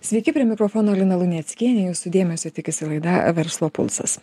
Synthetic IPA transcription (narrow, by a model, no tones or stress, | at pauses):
sʲʋʲɛɪkʲɪpʲɾʲiɛmʲɪkɾoːfoːnoːlʲɪnɐlˠʊnʲɛt̪sʲkʲiɛnʲejuːsʊd̪ʲeːmʲɛsʲot̪ʲɪkʲɪsʲɪlˠɐɪd̪ɐʋʲɛɾslˠoːpʊ̰lˠsɐ̰s